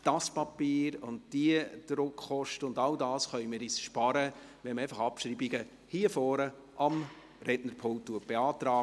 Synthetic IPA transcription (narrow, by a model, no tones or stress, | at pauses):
d̥ɑspɑpiːɾʊnd̚d̥iəd̥ɾʊkχɔʃtəʊndɑldɑːsχœʏmɪːɾisʃpɑɾəʋɛmɛɪfɑχɑpʃɾiːbiɡə | hifɔːɾə | ʔɑm | ɾɛnəɾpʰolttːuət̚b̥eɑːtɾɑː